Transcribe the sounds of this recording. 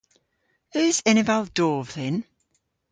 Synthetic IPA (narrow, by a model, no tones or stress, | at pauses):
ʉːzɛnɪvalˠd̥ɔːvðɪn